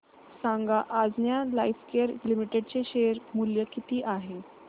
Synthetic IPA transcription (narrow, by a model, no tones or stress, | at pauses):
saŋɡaʔad͡znjalajfkeɾlimiʈeɖt͡seɕeɾmuljəkit̪iːʔaɦe